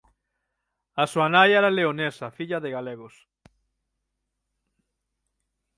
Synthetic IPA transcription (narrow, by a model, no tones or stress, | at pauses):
ɐsuanajɛɾaleonesɐfiʎɐðɪɣaleɣos